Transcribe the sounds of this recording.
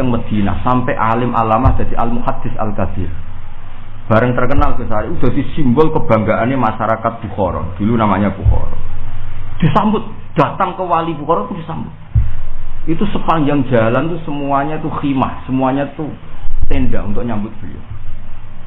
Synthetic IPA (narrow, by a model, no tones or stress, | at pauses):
aŋməd̪̥i̤na̰hsampɛʔalɪmʔa̰lamahd̪̥a̤d̪̥iʔalmuhad̪̥ɪ̤sa̰lkab̥ɪr | b̥a̤ɾəŋt̪ərkənalb̥isaɾiud̪̥a̤sisimbʊlkəb̥a̤ŋɡaʔanemaʃaɾakat̪̚b̥uxɔɾɔ̰nd̪̥ulunamaɲab̥uxɔ̰ɾɔ̰nd̪̥i̤sambʊt̪̚ | d̪̥a̤t̪aŋkəwalibukɔɾɔnt̪ud̥̪isambʊt̪̚ | ʔit̪usəpaŋd͡ʒaŋ̥d͡ʒa̤lant̪usəmuaɲat̪uximahsəmuaɲat̪ut̪enɖaunt̪ʊʔɲambʊt̪̚b̥əlḭo̰